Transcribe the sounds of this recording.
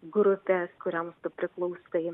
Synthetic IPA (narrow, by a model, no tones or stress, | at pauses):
ɡɾʊpʲeːskʊɾʲɛmst̪ʊpʲɾʲɪklˠɐʊsɐɪ